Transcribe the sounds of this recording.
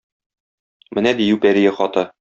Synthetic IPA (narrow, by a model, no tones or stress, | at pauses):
mɘ̆næd̪ijʉpæɾijæχɒt̪ɤ